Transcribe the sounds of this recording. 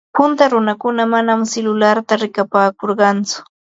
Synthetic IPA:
pʊnt̪aɾʊnakʊnamanamselʊlaɾt̪aɾɪkapaːkoɾɢɑnt͡sʊ̥

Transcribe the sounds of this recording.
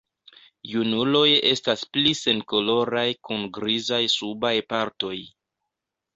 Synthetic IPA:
junulo̞je̞̰stasplise̞nko̞lo̞ɾajkunɡɾizajsubajpaɾto̞j

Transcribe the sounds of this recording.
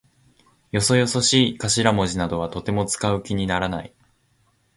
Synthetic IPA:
jo̞so̞jo̞so̞ɕiːkaɕiɾamo̞ʑinad̪o̞βat̪o̞t̪e̞mo̞t͡sɨ̥kaɯ̟kʲiɲ̟inaɾanai

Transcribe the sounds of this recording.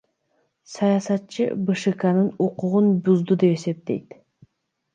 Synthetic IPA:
sɑjɑsɑt̪t͡ʃɯ̰bɨʃɨkɑnɯnuquʁunbuzd̪ud̪e̞pe̞se̞p̚t̪e̞̰jt̪

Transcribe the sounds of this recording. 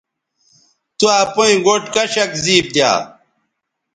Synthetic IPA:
t̪uaːpuĩɡoʈkɐɕɐkziːp̚d̪ja̰ː

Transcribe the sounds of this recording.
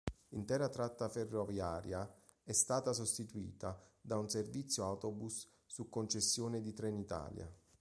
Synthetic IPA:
int̪ɛːɾat̪ɾat̪ːaferːovjaːɾja | ɛst̪aːt̪asost̪it̪uḭːt̪ad̪aunservit̪sːjoawt̪obusː | ukːont͡ʃesːjoːned̪it̪ɾɛnit̪a̰ːlja̰

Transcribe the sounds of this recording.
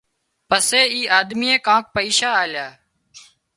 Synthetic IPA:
pəseːiːʔaːd̪miːẽːkãːk̚pəiːʃaːaːljaː

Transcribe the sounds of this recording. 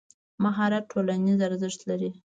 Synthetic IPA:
maɦɑɾat̪̚ʈʰolanizaɾzəʂt̪laɾi

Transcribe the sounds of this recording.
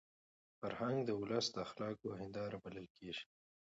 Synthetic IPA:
faɾhaŋɡd̪əʊləsd̪əxlɑːkoɦɪnd̪ɑɾabaləlkeʒ̥i̥

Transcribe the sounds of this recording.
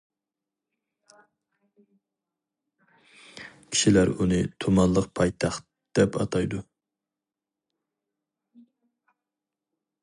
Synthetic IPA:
kʲʰi̥ʃilæɾunɨt̪ʰomɑnlˠəqpʰɑjt̪ʰɑχt̪ | d̪̥ɛpɑt̪ʰɑjd̪u

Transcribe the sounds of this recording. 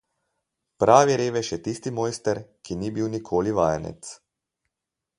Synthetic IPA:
pɾaːʋiɾeːʋɛʃjɛt̪iːst̪imɔjst̪ɛɾkiniːbiːwnikʰoːliʋaːjɛnɛ̰t̪s

